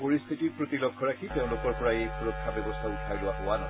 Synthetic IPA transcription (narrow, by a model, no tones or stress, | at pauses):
poɹist̪ʰitiɹpɹotilɔkʰːɔɹakʰiteʊ̃lʊkɔɹpɔɹaejkʰɔɹɔkʰːabɛbɔstʰautʰajlʊwaɦowanɔ